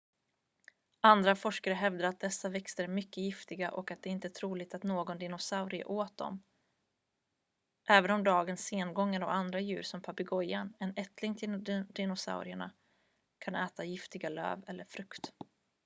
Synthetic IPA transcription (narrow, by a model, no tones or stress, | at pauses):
and̪ɾafɔʂkaɾəɦɛvd̪aɾat̪̚d̪ɛsːavɛkst̪əɾmʏkːəjɪft̪ɪɡaʔɔkat̪̚ɛːɪnt̪ət̪ʰɾuːlɪt̪at̪noːɡɔnd̪ɪnʊsaʊɾɪə̰ʔoːt̪̚d̪ɔ̰m | ʔɛːvənɔmd̪ɑːɡənsːeːnɡɔŋːəɾɔ̰and̪ɾajʉ̟ːɾsɔmpʰapɪɡɔjanɛnɛt̪lɪŋt̪ʰɪd̪ɪnʊsa̰ʊɾɪəɳa̰ | kʰanɛːt̪ajɪft̪ɪɡalø̰ːvɛlːəɾfɾɵkt̪